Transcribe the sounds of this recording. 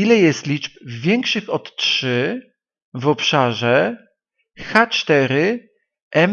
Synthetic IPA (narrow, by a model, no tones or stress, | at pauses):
ilɛjɛst̪lʲit͡ʂpvʲjɛŋkʂɘxɔt̪tʂɘ | vɔpʂaʐɛ | xat͡ʂt̪ɛɾɘ | ʔɛm